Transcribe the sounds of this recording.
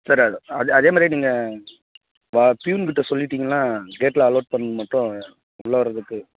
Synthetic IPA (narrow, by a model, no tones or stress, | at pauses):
sɐɾɐðɯɐðɐðeːmaːd̪ɾiniːŋɡɐ | ʋɐpjuːnkɪʈːɯsɔlːɪʈːiːŋɡɐlãːɡeːʈlɐɐlɐːʈ̚pɐɳːɯɯmɐʈːʊ̃ | ʊɭːɐʋɐɾɐðɯkːɯ